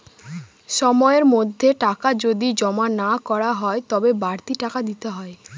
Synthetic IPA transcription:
ʃɔmɔeɾmod̪ʱːeʈakad͡ʑod̪id͡ʑɔmanakɔɾaɦɔet̪ɔbebaɾt̪iʈakad̪it̪eɦɔe

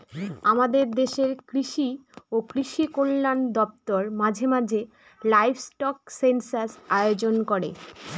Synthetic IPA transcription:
amad̪eɾd̪eʃeɾkɾiʃiokɾiʃikolːand̪ɔp̚t̪oɾmãd͡ʑʱemad͡ʑʱe | lajbsʈɔksensaɾsajod͡ʑonkoɾḛ

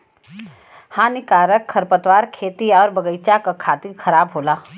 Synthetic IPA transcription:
hãːnɪkaːɾəkʰːɐɾpət̪waːɾkʰeːt̪iɔːɾbəɡəɪt͡ʃakakʰaːt̪ixʰɐɾaːbɦoːlaː

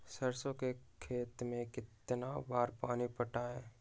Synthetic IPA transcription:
səɾsõkekʰeːt̪mẽkɪt̪nabaːɾpaːnipəʈaːɛː

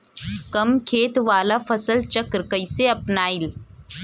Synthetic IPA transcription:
kɐmkʰeːt̪ʋaːlafɐsəlt͡ʃɐkɾkəɪseɐpnaːɪl

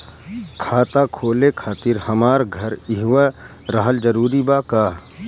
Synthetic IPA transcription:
kʰaːt̪akʰoːlekʰaːt̪ɪɾhəmaːɾɡʱəɾɪɦʋa | ɾəɦəld͡ʒəɾuːɾibaːkaː

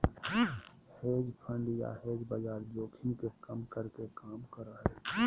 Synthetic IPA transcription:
heːd͡ʒpʰə̃ɳɖja̰heːd͡ʒbad͡ʒaːɾd͡ʒoːkʰɪnkekəmkəɾkekaːmkəɾaɦɛː

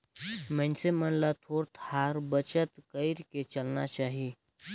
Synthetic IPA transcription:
mə̃nsemənlat̪ʰoːɾt̪ʰaːɾbət͡ʃət̪kəjɾket͡ʃɐlna̰t͡ʃaːɦi

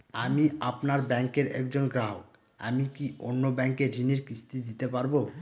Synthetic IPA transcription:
amiapnaɾbɛŋkeɾɛ̰kd͡ʑonɡɾaɦok | a̰mikiʔo̰nːobɛŋkeɾiniɾkist̪id̪it̪epaɾbo

